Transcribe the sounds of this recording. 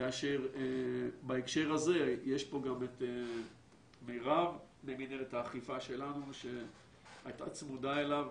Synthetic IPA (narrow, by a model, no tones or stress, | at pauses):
kaːʃeʁ | baekʃe̞ʁaze̞jeʃpo̞ɡamete | mejʁavmemineletaːχifaʃe̞lanuʃe̞ | ajta̰t͡smudae̞lav